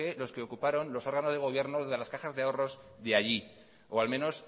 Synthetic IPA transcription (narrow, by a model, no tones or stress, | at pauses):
elo̞ske̞o̞kupaɾo̞nlo̞so̞ɾɣ̞ano̞zðe̞ɣo̞β̞je̞ɾnoðe̞laskaxazðeao̞ro̞zðeaʝi | oalmẽno̞s